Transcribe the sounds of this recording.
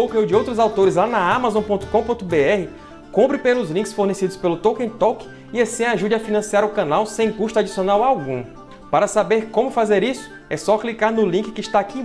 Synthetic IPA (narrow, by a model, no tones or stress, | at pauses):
owkẽʊd͡ʒɪowt̪ɾʊzawt̪oɾɪzlanɐamazõw̃põt̪ʊ̥kõpõt̪ʊbeɛhɪ | kõpɾɪpelʊzlĩŋkɪsfoɾnesid̪ʊspelʊt̪owkẽt̪ɔwkɪ̥ | ɪasĩaʒud͡ʒɪɐfinɐ̃siaɾʊkɐ̃nawsẽj̃kuʃt̪ʊad͡ʒisionawawɡũ | paɾɐsabeɾkõmʊfazeɾisʊ̥ | ɛsɔklikaɾnʊlĩkɪ̥kɪʃt̪aki